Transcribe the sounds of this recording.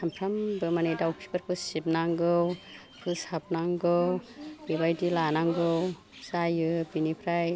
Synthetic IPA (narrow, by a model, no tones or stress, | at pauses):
sʰampʰɾambɯmanejdawpʰi̥baɾkʰɯsip̚naŋɡɯw | pʰɯsap̚naŋɡɯwɡibajdilanaŋɡɯw | sajɯbinipʰɾaj